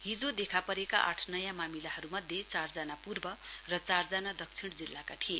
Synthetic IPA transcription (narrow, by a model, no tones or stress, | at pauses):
ɦid͡zod̪ekʰapʌɾekaʔa̰ʈʰnʌjãmamilaɦʌɾumʌd̪ʱjet͡sard͡zanapurbʌrʌt͡sard͡zanad̪ʌk̚t͡sʰiɽ̃d͡zilːakat̪ʰie